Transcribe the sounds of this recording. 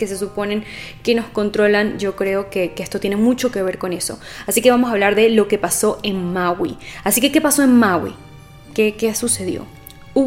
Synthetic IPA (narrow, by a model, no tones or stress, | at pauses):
ke̞s̬e̞supo̞ne̞ŋke̞no̞sko̞nt̪ɾo̞land͡ʒo̞kɾe̞o̞ke̞keest̪o̞t̪je̞ne̞mut͡ʃo̞ke̞β̞e̞ɾko̞ne̞so̞ | asike̞βamo̞saβlaɾðe̞lo̞ke̞paso̞e̞nmaɣwḭasike̞ke̞paso̞enmawḭ | kekesuse̞ðjo̞̰ | u